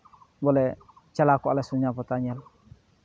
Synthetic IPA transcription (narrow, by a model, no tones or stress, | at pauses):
bɔlɛ | t͡ʃalakɔalasuɲapɔtaɲɛl